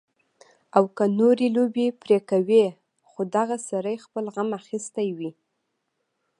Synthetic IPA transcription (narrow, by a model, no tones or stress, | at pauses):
awkanoɾelobepɾekawe | xod̪aɣasaɾəjxpəlɣamaxist̪ajwi